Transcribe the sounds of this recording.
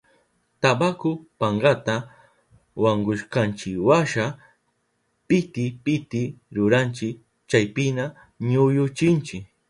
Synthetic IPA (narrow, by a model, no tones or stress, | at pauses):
t̪abakʊpaɴɢɑt̪a | waɴɡʊʃkant͡ʃɪkwaʃa | pɪt̪ɪpɪt̪ɪɾʊɾant͡ʃɪk | t͡ʃajpɪna | ɲʊjʊt͡ʃɪnt͡ʃɪk